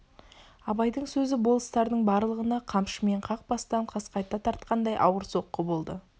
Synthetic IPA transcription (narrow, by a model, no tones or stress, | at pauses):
ɑbɑjd̪əɴsɵzɪbo̞lˠəst̪ɑɾd̪əɴbɑɾlˠəʁənɑqʰɑmʃəme̞ɴqʰɑq̚bɑst̪ɑɴqʰɑsqɑjt̪ːɑt̪ʰɑɾt̪qɑnd̪ɑjʔɑ̰wəɾso̞qːəbo̞lˠd̪ə